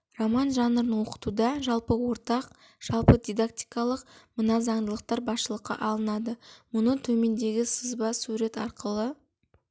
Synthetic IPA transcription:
romɑnʒɑnəɾənwo̞qə̥t̪ud̪ɑʒɑlˠpəwo̞ɾt̪ɑq | ʒ̥ɑlˠpəd̪ʲijd̪ak̚t̪ijkɑlˠəqmənɑzɑɴd̪əlˠəq̚t̪ɑɾbɑsʃəlˠəqːɑ̰ʔɑlˠənɑd̪əmʊnət̪ʰɵme̞nd̪e̞ɡʲɪsəzbɑsuɾe̞t̪ɑɾqəlˠə

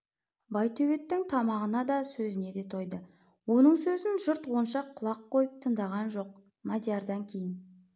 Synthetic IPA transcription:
bɑjt̪ʰɵwet̪ːɪŋt̪ʰɑmɑʁənɑd̪ɑsɵzɪne̞d̪e̞t̪ʰo̞jd̪ə | wo̞nəɴsɵzɪnʒʊɾt̪wo̞nʃɑqʰːʊlˠɑqʰːo̞jəp̚t̪ʰəɴd̪ɑʁɑnʒo̞q̚ | mad̪ʲjɑɾd̪ɑŋkʲʰe̞jɪn

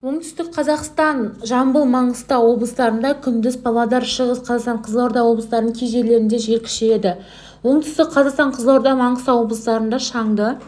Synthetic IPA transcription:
wo̞ɴt̪ʰʏ̥st̪ɪk̚qʰɑzɑqst̪ɑnʒɑmbəlˠmɑɴəst̪ɑwo̞blˠəsd̪ɑɾənd̪ɑkʲʰʏnd̪ɪzpʰɑlˠɑd̪ɑɾʃəʁəsqʰɑzɑqst̪ɑɴqʰəzlˠɑwɾd̪ɑwo̞blˠəst̪ɑɾd̪əŋkʲʰejʒe̞ɾle̞ɾɪnd̪e̞ʒe̞ɾkʲʰɪ̥ʃee̞d̪ɪ | wo̞ɴt̪ʰʏ̥st̪ɪk̚qʰɑzɑqst̪ɑɴqʰəzlˠɑwɾd̪ɑmɑɴəst̪ɑwo̞blˠəsd̪ɑɾənd̪ɑʃɑɴd̪ə

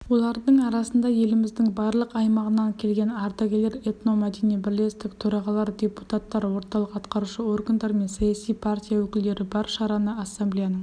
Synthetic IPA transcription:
wo̞lˠɑɾd̪əɴɑɾɑsənd̪ɑje̞lɪmɪzd̪ɪŋbɑɾlˠəqɑjmɑʁənɑŋkʲʰe̞lɡʲe̞nɑɾd̪ɑɡʲeleɾet̪no̞mæd̪enijbɪɾle̞st̪ɪkt̪ʰɵɾɑʁɑlˠɑɾd̪ʲe̞put̪at̪ːɑɾwo̞ɾt̪ɑlˠəqɑt̪qɑɾuʃəo̞rɡand̪ɑɾme̞nsɑjɑsijpʰart̪ʲijawɵkʲɪld̪e̞ɾɪbɑɾʃɑɾɑnəasːemblijanəɴ

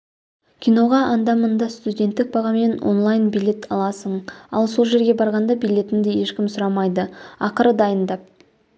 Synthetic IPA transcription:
kʲʰijno̞ʁɑʔɑnd̪ɑmʊnd̪ɑst̪udʲe̞nt̪ːɪk̚bɑʁɑme̞nwo̰nlˠɑjnbijlʲe̞t̪ʰɑlˠɑsəɴɑ̰lˠso̞lˠʒe̞ɾɡʲe̞bɑɾʁɑnd̪ɑbijlʲe̞t̪ɪŋd̪ɪje̞ʃkʲɪmsʊɾɑmɑjd̪əɑqəɾəd̪ɑjənd̪ɑp̚

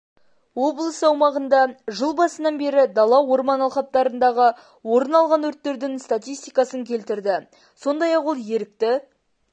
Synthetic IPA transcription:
wo̞blˠəsəɑwmɑʁənd̪ɑʒəlˠbɑsənɑnbe̞ɾɪd̪ɑlˠɑwo̞ɾmɑnɑlˠχɑp̚t̪ɑɾənd̪ɑʁə | wo̞ɾənɑlˠʁɑnɵɾt̪ːe̞ɾd̪ɪnst̪at̪ijst̪ijkɑsəŋkʲʰe̞lt̪ɪɾd̪ɪ | so̞nd̪ɑjɑqwo̞lˠje̞ɾɪk̚t̪ɪ

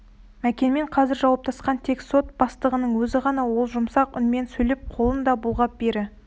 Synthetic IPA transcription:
mækʲe̞nme̞ɴqʰɑzɪɾʒɑwɑp̚t̪ʰɑsqɑnt̪ʰe̞kso̞t̪̚b̥ɑst̪əʁənəɴwɵzɪʁɑnɑwo̞lˠʒʊmsɑqʊ̰nme̞nsɵjlep̚qʰo̞lˠənd̪ɑbulˠʁɑp̚b̥eɾɪ

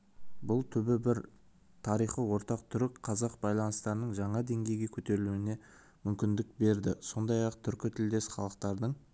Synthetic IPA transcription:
bʊlˠt̪ʰʏbɪbɪɾ | t̪ʰɑɾijχəwo̞ɾt̪ɑq̚t̪ʰʏɾɪkqʰɑzɑqbɑjlˠɑnəst̪ɑɾənəɴʒɑɴɑd̪e̞ŋɡʲe̞jɡʲe̞kʲʰɵt̪e̞ɾɪluwɪne̞ | mʏmkʲɪnd̪ɪk̚be̞ɾd̪ɪso̞nd̪ɑjɑqt̪ʰʏɾkʲɪt̪ʰɪld̪e̞sχɑlˠəqt̪ɑɾd̪əɴ

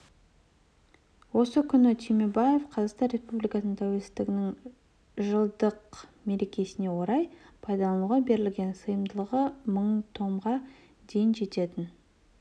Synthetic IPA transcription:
wo̞səkʲʰʏnɪt̪ʰimebajefqʰɑzɑqst̪ɑnre̞spublijkɑsnəɴt̪ʰæwe̞lsɪ̥zt̪ɪɡʲɪnɪŋ | ʒəlˠd̪əqme̞ɾe̞kʲe̞sɪne̞wo̞ɾɑjpʰɑjd̪ɑlˠɑnuwʁɑbe̞ɾɪlɡʲe̞nsəjəmd̪əlˠəʁəməɴt̪ʰo̞ɴʁɑ | d̪e̞jɪnʒe̞t̪e̞t̪ɪn

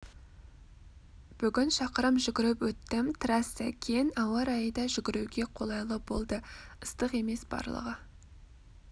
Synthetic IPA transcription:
b̥ʏɡʲɪnʃɑqəɾəmʒʏɡʲɪɾɪpwɵt̪ːɪmt̪ʰɾɑsækʲʰejnɑwɑɾɑjəd̪ɑʒʏɡʲɪɾuɡʲe̞qʰo̞lˠɑjlˠəbo̞lˠd̪əəst̪əqe̞me̞sb̥ɑ̰ɾlˠə̰ʁə

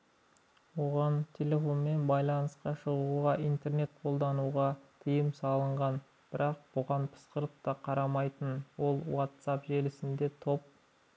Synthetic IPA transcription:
wo̞ʁɑnt̪ʲʰe̞lʲe̞fo̞nme̞nbɑjlˠɑnəsqɑʃəʁuʁɑʔijnt̪e̞rne̞t̪̚qʰo̞lˠd̪ɑnuʁɑt̪ʰəjəmsɑlˠəɴʁɑn | b̥ɪɾɑq̚b̥ʊʁɑnpʰə̥sqəɾəpt̪ɑqʰɑɾɑmɑjt̪ənwo̞lˠwat̪sɑpʒe̞lɪsɪnd̪e̞t̪ʰo̞p̚

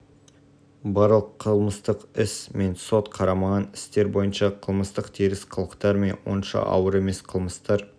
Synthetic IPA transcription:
bɑɾlˠəqʰːəlˠməst̪əqɪsme̞nso̞t̪qʰɑɾɑmɑʁɑnɪst̪e̞ɾbo̞jənʃɑqʰəlˠməst̪əqt̪ʰiɾɪsqʰəlˠəqt̪ɑɾme̞nwo̞̰nʃɑ̰ʔɑ̰wəɾe̞me̞sqʰəlˠməst̪ɑɾ

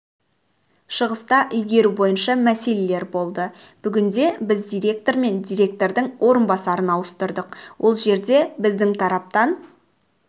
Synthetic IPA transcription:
ʃəʁəst̪ɑʔʏjɡʲe̞ɾubo̞jənʃɑmæse̞le̞le̞ɾbo̞lˠd̪ə | b̥ʏɡʲɪnd̪e̞bɪzd̪ijɾʲe̞k̚t̪o̞ɾme̞nd̪ijɾʲe̞k̚t̪o̞ɾd̪əŋwʔo̞ɾənbɑsɑɾənɑwəst̪əɾd̪əqwʔo̞lˠʒe̞ɾd̪e̞bɪzd̪ɪŋt̪ʰɑɾɑp̚t̪ɑn

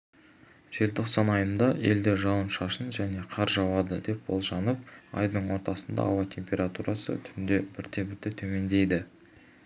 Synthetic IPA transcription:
ʒ̥e̞lt̪ʰo̞qsɑnɑjənd̪ɑe̞̰ld̪e̞ʒɑwənʃɑʃənʒæne̞qʰɑɾʒɑwɑd̪əd̪e̞p̚bo̞lˠʒɑnəp̚ɑ̰jd̪əɴwo̞ɾt̪ɑsənd̪ɑ̰ɑwɑt̪ʲʰe̞mpʲe̞ɾat̪uɾɑsə̰t̪ʰʏɪnd̪e̞bɪɾt̪ʰe̞bɪɾt̪et̪ʰɵme̞nd̪e̞jd̪ɪ

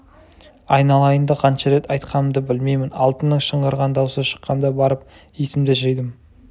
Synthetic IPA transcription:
ɑjnɑlˠɑjənd̪ɑqʰɑnʃɑɾe̞t̪ʰɑjt̪qʰɑnəmd̪əbɪlme̞jmɪnɑlˠt̪ənːəŋʃəɴʁəɾʁɑnd̪ɑwsəʃə̥qːɑnd̪ɑbɑɾəp̚ | jesɪmd̪ɪʒejd̪ɪm

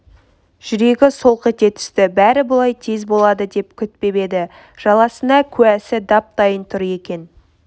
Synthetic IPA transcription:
ʒ̥ʏɾe̞ɡʲɪso̞lˠqet̪e̞t̪ʰʏ̥st̪ɪbæɾɪbʊlˠɑjt̪ʰezbo̞lˠɑd̪əd̪e̞p̚kʲʰʏt̪̚pe̞be̞d̪ɪ | ʒ̥ɑlˠɑsənɑkʲʰʉæsɪd̪ɑp̚t̪ɑjənt̪ʰʊɾje̞kʲe̞n

